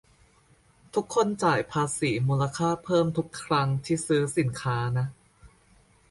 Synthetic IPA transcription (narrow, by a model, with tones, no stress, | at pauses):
t̪ʰu˦˥kʰːo˧˥˨nt͡ɕaː˨˩jpʰaː˧siː˩˦muː˧la˧kʰaː˥˩pʰɤː˥˩mt̪ʰu˦˥kʰːɾa˦˥ŋt̪ʰiː˥˩sɯː˦˥si˨˩˦nkʰaː˦˥na˦˥